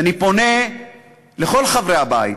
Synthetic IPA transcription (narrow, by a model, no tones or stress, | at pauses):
anipo̞ne | le̞χo̞lχavʁeabai